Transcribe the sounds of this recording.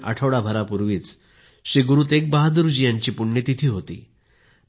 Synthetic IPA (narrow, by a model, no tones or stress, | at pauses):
ʔə̰ʈʰəʋɽabʱəɾapuɾʋiːt͡s | ɕiɡuɾuːt̪ek̚baɦad̪uɾud͡ʑijãɲt͡ɕiːpuɳːjet̪it̪ʰiːɦot̪ḭː